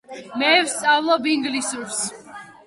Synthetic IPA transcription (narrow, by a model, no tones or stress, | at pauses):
mɛvst̪sʼavlˠɔbiŋɡlisuɾs